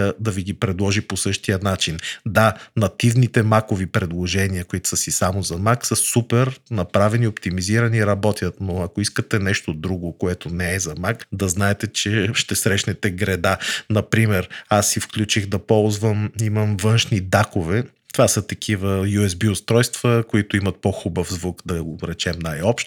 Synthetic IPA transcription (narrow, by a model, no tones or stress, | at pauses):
d̪ɐviɡipɾɛd̪lˠɔʒiposɤʃt̪ijənat͡ʃind̪anɐt̪ivnit̪ɛmakovipɾɛd̪lˠoʒɛniəkoit̪ʊ̥səsisamozɐmaksəsupɛɾnɐpɾavɛniopt̪imiziɾɐniɾɐbɔt̪ʲjət̪noɐkoiskət̪ɛnɛʃt̪od̪ɾuɡokoɛt̪onɛɛzɐmakd̪ɐznaɛt̪ɛt͡ʃɛʃt̪ɛsɾɛʃnɛt̪ɛɡɾɛd̪anɐpɾimɛɾasːifklʲut͡ʃiɣd̪ɐpɔlˠzvəmiməmvɤnʃnid̪akovɛ | t̪ovasət̪ɐkʰivəjuɛzbiost̪ɾɔjst̪v̥əkoit̪ʊimɐt̪̚poxubəfzvukd̪ɐɾɛt͡ʃɛmnajɔpʃt̪